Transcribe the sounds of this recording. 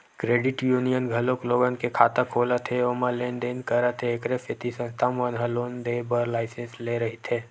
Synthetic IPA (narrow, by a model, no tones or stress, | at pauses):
kɾeːɖɪʈjuːnijənɡʱɐlõkloːɡənkekʰaːt̪akʰoːlat̪ʰeomalend̪eːnkəɾat̪ʰeːkɾefɪt̪isə̃nt̪amʋənɦɐloːnd̪eːbəɾlaːɪsẽnsleɾɐɦit̪ʰeː